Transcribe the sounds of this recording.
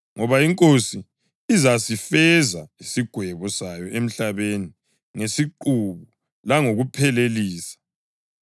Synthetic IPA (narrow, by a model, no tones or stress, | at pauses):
ŋɔβaiŋkʼosi | izasifɛzaisiɡ̥ʱwɛβɔsajɔʔem̩ɬaβeni | ŋesiǃuβu | laŋoɣupʰɛleliːsḁ